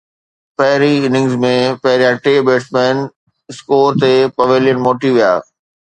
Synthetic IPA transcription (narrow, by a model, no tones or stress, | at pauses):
pɐɦɪɾiɪnɪ̃ŋzmẽpɐɦɪɾijãʈeːbeːsmɛ̃ːn | ɪskoːɾt̪epɐʋeljənmoːʈiʋija̰ː